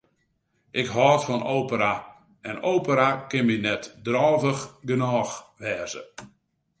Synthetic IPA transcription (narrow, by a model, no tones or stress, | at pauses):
ʔɪkɦɔːtfɔnowpəɾa | ɛnoːpəɾakɪnmɪnɛtdrɔːvəxɡənɔːxʋɛːzə̰